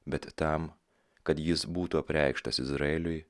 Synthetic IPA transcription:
bʲɛt̪t̪ɐm | kɐt̪jɪsbuːt̪uɐpʲɾʲæɪkʃt̪ɐsɪzɾɐeːlʲʊj

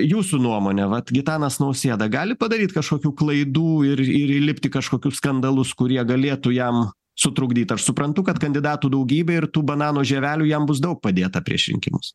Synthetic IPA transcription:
juːsunuɔmoːnʲɛʋɐt̪ɡʲɪt̪ɑːnɐsnɐʊsʲeːd̪ɐɡɑːlʲɪpɐd̪ɐɾʲiːt̪kɐʃkoːkʲuːklˠɐɪd̪uːɪɾɪɾilʲɪpʲt̪ʲɪkɐʃkoːkʲʊsskɐnd̪ɐlˠʊskʊɾʲiɛɡɐlʲeːt̪uːjɛm | sʊt̪ɾʊɡd̪ʲiːt̪ɐʃsʊpɾɐnt̪ʊkɐt̪kɐnʲd̪ʲɪd̪ɑːt̪uːd̪ɐʊɡʲiːbʲɛɪrt̪uːbɐnɑːnoːʒʲɛʋʲæːlʲuːjɛmbʊs̬d̪ɐʊk̚pɐd̪ʲeːt̪ɐpʲɾʲiɛʃʲɾʲɪ̰ŋʲkʲɪ̰mʊs

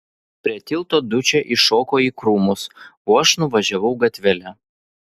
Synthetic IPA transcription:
pʲɾʲiɛt̪ʲɪlˠt̪oːd̪ʊt͡ʃʲɛʔɪʃoːkoːiːkɾuːmʊsoːɐʃnʊʋɐʒʲɛʋɐʊɡɐt̪ʲʋʲɛlʲɛ

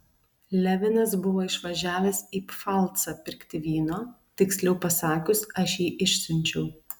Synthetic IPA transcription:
lʲæʋʲɪnɐsbʊʋoːɪʃʋɐʒʲæːʋʲɛsiːpfɑˑlˠt̪sɑpʲɪɾʲkt̪ʲɪʋʲiːnoː | t̪ʲɪksʲlʲɛʊpɐsɑːkʲʊsɐʃjiːʔɪʃʲsʲʊnʲt͡ʃʲɛʊ

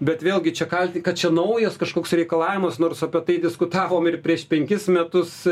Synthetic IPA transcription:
bʲɛt̪ʋʲeːlˠɡʲɪt͡ʃʲɛkɐlʲt̪ʲɪkɐtt͡ʃʲɛnɐʊjoskɐʃkoːksɾʲɛɪkɐlˠɑːʋʲɪmɐsnoːrsɐpʲɛt̪ɐɪdʲɪskʊt̪ɑːʋoːmɪrpʲɾʲiɛʃpʲɛŋʲkʲɪsmʲɛt̪ʊs

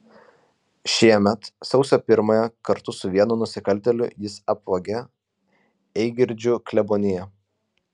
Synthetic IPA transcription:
ʃʲiɛmʲɛt̪sɒʊsʲoːpʲɪɾmojɛkɐɾt̪ʊsʊʋʲiɛnʊnʊsʲɪkɐlʲˑt̪ʲɛlʲʊjɪsɐpʋɐɡʲɛ | ɛɪɡʲɪɾʲd͡ʒʲʊklʲɛboːnʲɪjɛ

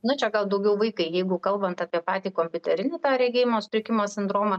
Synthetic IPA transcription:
nʊt͡ʃʲɛɡɐlˠd̪ɐʊɡʲɛʊʋɐɪkɐɪjɛɪɡʊkɐlˠbɐnt̪ɑːpʲiɛpɑːt̪ʲiːkoːmʲpʲʊt̪ʲɛɾʲɪnʲɪt̪ɑːɾʲɛɪɡʲeːjɪmoːspʲɾʲɪkʲɪmoːsʲɪnd̪ɾoːmɐ

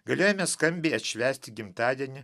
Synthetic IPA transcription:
ɡɐlʲoːjɛmʲɛskɐmʲbʲɛɪɐt̪ʲʃʲʋʲæːsʲt̪ʲɪɡʲɪmt̪ɑːd̪ʲiɛnʲɪ

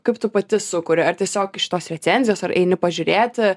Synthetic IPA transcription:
kɐɪpt̪ʊpɐt̪ʲɪsʊkʊɾʲɪɐɾtʲiɛsʲoːkɪʃʲɪ̥t̪oːsɾʲɛt̪sʲɛnʲzʲɪjoːsɐɾʔɛ̰ɪnʲɪpɐʒʲʊɾʲeːt̪ʲɪ

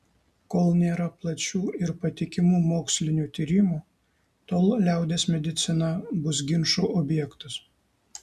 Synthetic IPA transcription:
koːlˠnʲeːɾɐplˠɐt͡ʃʲuːʔɪɾpɐt̪ʲɪkʲɪmuːmoːksʲlʲɪnʲuːt̪ʲiːɾʲɪmuː | t̪oːlˠlʲæˑʊd̪ʲeːsmʲɛd̪ʲɪt̪sʲɪnɐbʊs̬ɡʲɪnʃuːʔɔbʲjɛkt̪ɐs

